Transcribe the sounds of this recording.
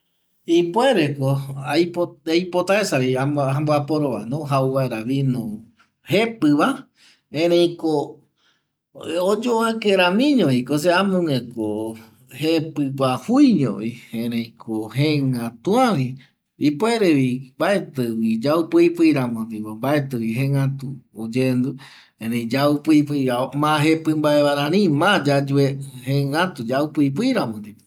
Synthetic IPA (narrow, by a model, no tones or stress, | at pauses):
ipoeɾekoajpoajpot̪aesaβiaamboapoɾoβa̰nõɦauβaeɾaβinũ | hepɨβa | ẽɾẽĩko | od͡ʒoakeɾãmĩɲõikos̬eamõŋeko | hepɨwahujɲõ̰βiẽɾẽj̃kʰohẽŋãt̪ũãʋi | ipoeɾeʋimbaet̪ɨwid͡ʒaupɨipɨiɾamõd̪iβombaet̪ɨwiɦẽŋãt̪uod͡ʒend̪u | ẽɾẽd͡ʒaupɨip̬ɨiɾaomãɦepɨmbaeβaɾãɾĩmãd͡ʒad͡ʒuehẽŋãt̪ud͡ʒaupɨip̬ɨiɾamõd̪ip